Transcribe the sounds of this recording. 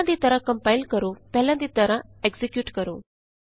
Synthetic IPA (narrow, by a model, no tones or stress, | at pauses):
ãnd̪iːt̪əɾãkə̃mpailkəɾopɛɦljãnd̪iːt̪əɾãeɡzekjuːʈkəɾo̰ː